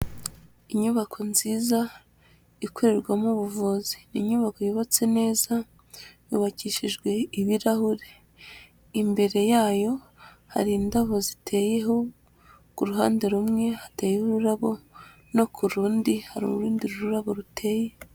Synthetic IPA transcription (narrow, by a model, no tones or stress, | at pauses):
iɲuβakʰo̞nziːza | ikʰo̞ɾe̞ɾɡwamuβuvoziniɲuβako̞joβat͡se̞ne̞ːza | juβaciʃiʒɡwe̞iβiɾahuɾe̞ | imbe̞ɾe̞jaːjo̞ | ha̰ɾiːndaβo̞zitʰe̞je̞ɦo̞ | kuɾuɦaːnde̞ɾumŋe̞hateːjehuɾuɾaβo̞ | no̞kʰuɾuːndihaɾṵuɾuːndiɾuɾuɾaβo̞ɾutʰe̞ːje̞